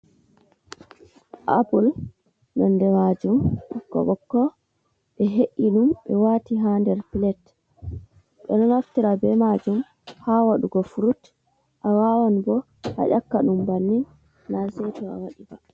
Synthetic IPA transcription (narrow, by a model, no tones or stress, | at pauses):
ʔabul | nɔndɛmad͡ʒumkːɔ̰ɓɔkːɔ | ɓɛɦeʔiɗumɓɛwaːtiɦandɛɾpilɛt | ɓɛ̰nɔnaftiɾabɛmad͡ʒum | hawaɗuɡɔfuɾut | ʔawawanbɔ | ha̰ʔakːaɗumbanːinː | asɛtɔa̰waɗiba̰